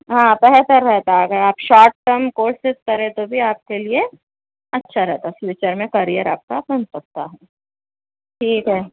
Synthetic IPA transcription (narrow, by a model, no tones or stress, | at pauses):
ɦãːpɛɦt̪əɾːɛɦt̪aaɡɐɦɛaːpʃaːɾʈ̚ːəmkoːɾsɪt̪kɐɾẽt̪obʱiaːp̚kelie | ɐtːʃʰaɾɛɦt̪aɦflɪt͡ʃəɾmẽkɐɾiəɾa̰ːp̚kabɐnpɐk̚t̪aɦɛː | ʈʰiːkɦɛː